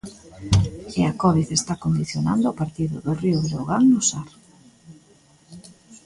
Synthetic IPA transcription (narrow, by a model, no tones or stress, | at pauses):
eakɔβiθest̪akond̪iθjona̰nd̪ʊapaɾt̪iðʊ̰ðʊriʊβɾoɣaŋnʊsaɾ